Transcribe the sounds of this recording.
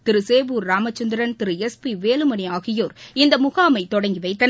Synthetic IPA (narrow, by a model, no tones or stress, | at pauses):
t̪ɪɾɯseːʋuːɾːaːmɐt͡ʃːɐnd̪ɪɾɐnt̪ɪɾɯɛspiʋeːlɯmɐniaːɣɪjoːɾɪnd̪ɐmʊɣaːmɐɪt̪ɔɽɐŋɡiʋɐɪt̪ːɐn